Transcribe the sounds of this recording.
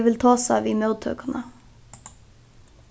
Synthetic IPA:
ʋɪlt̪ʰɑːsɑ̰ːʋiːmœʉd̪̚t̪ʰø̰ːkənʔə

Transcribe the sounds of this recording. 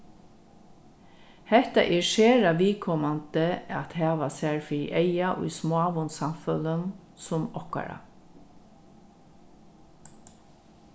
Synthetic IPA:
hɛht̪a̰ʔɛɹʃeːɾaʋiːkʰɔmant̪əat̪hæːʋasɛɹfiːɾɪ̰ʔejaʔʊ̰jsmoaʋʊnsamfœlən | sʊmɔhka̰ɾa̰

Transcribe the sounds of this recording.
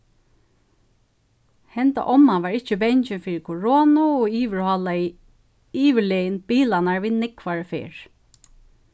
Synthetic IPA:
hɛnt̪a̰ʔɔmːaʋaɹɪt͡ʃːəbɛɲt͡ʃɪnfiːɹɪkʰoɹoːnʊɔiːʋɪɹhɔla | iːʋɪɭɛjɪnbiːlanaɹʋiːnɪkʰʋaɹəfḛːɹ

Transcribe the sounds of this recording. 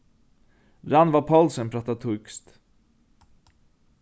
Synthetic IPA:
ɾanvapʰalsənpʰɾɑt̪ːat̪ʰɵkst̪

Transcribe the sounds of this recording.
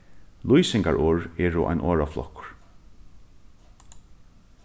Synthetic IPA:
lujsɪŋkaɹʔɔːɹɛːɾʊʔa̰jnʔɔːɹaflɔ̰hkʊ̥ɹ̥

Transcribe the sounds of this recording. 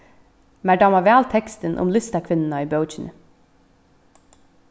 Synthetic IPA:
mæɖɑmɑʋæːlt̪ʰɛkst̪ənʔʊ̰mlʏst̪ɑkʰʋɪnn̩ɑiːbəʊt͡ʃɪnə̰

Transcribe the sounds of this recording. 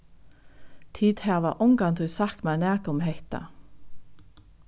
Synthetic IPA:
t̪ʰiːd̪hæːʋɑːʔʊŋɡɑnt̪ʰʉʏsɑkmæːnæːkʊmheht̪ɑ̰

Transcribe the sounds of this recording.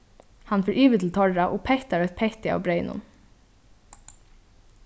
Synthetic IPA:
hanfɔɹʔiːʋɪt̪ʰl̩t̪ʰɔɹaʔɔːpʰɛht̪aɹœt̪̚pʰɛht̪ɪa̰wbɾeɪnʊ̰n

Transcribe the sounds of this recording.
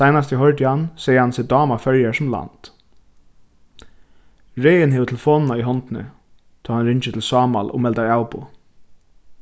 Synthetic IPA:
sajnas̬t̪jɪɦœɹt̪jɪhansɛːjəhansɪd̪ɑːmafœɹjaɹsʊmla̰nt̪ | ɹejɪnɦɛːʋət̪ʰɪlfɔːnnaiɦɔnt̪ɪnə̰ | t̪ʰɔːhanɾɪɲt͡ʃɪt̪ʰɪlsɑːma̰lʔʊ̰mɛlt̪aɹawpʊ̰

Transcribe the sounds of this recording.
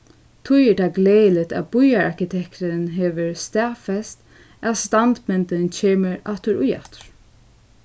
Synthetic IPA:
t̪ʰʊjɛɹd̪aɡleːjlɪt̪æ̰ðbʊjaɹaɹkɪt̪ʰɛkt̪ɪnɦɛːʋɪɹst̪ɛːfɛst̪ | æðst̪ant̪mɛnt̪ɪnt͡ʃʰeːmɪɹaht̪ʏɾʊja̰ht̪ɹ̥

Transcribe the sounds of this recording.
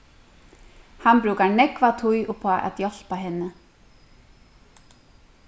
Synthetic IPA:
hanbɾuːkaɾnɛkvat̪ʰujʔɔpʰaʔa̰t̪jɔl̥paɦɪnːɪ

